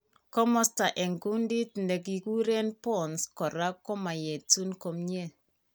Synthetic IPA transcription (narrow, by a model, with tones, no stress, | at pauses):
kɔ˦mɔ˦sta˨ʔe˨ŋɡu˦ndi˦tnde˨ɡ̬i˨ku˦ɾe˦npɔ˦˨nskɔ˨ɾa˦kːɔ˦ma˨je˨tu˦nko˨mɲe˦˨